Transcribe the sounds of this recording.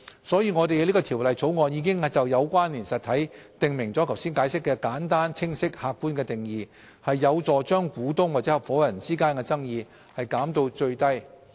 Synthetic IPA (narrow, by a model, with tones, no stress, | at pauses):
sɔː˨˥jiː˧ŋɔː˨˧t̪e˨jliː˥kɔː˧t̪ʰiː˨˩wlɐ˨jt͡sʰo˨˥wŋɔː˧njiː˨˧˥kɪ˥ŋ˨t͡sɐ˨wjɐ˨˧wkʷaː˥nliː˨˩nsɐ˨t̚t̪ʰɐ˨˥jt̪ɪ˨ŋmɪ˨˩ŋt͡sɔː˨˥kʰɐ˨˩wsiː˥nkaː˨˥jsɪ˥kːɛː˧kaː˨˥nt̪aː˥nt͡sʰɪ˥ŋsɪ˥k̚haː˨kːuː˥nkɛː˧t̪ɪ˨ŋjiː˨ | hɐ˨jːɐ˨˧wt͡sɔː˨˩t͡ʃœː˥ŋkuː˨˥t̪ʊ˥ŋwaː˨t͡sɛː˨˥hɐ˨p̚fɔː˨˥jɐ˨˩nt͡siː˥kaː˥nkɛ˧t͡sɐ˥ŋjiː˨˧ | hɐ˨jkaː˨˥mt̪o˧wt͡ʃɵ˧ɥt̪ɐ˥j